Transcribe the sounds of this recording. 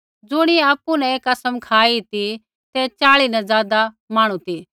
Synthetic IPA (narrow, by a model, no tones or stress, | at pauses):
d͡zʊɽ̃iɛaːpunɛ̃eːkɐsəmkʰaːit̪i | t̪ɛt͡ʃaːɭinɛzaːd̪a | maːɽ̃ũt̪iː